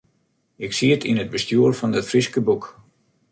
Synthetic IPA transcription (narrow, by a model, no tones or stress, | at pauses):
ɪksiətʰinəd̚bəstjuərfɔndɪtfriskəbuk